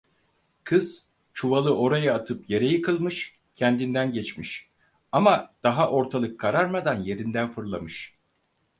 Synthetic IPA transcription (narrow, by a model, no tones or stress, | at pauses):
kʰɯz̥ | t͡ʃʰuvalˠɯo̞ɾajaːt̪ʰɯpje̞ɾɛjɯkʰɯlˠmɯʃ | cʰɛnd̪ind̪ænɟɛt͡ʃmiʃ | amad̪̥aɦaʔo̞ɾt̪ʰalˠɯkʰːaɾaɾmad̪anje̞ɾind̪ænfɯɾlˠamɯʃ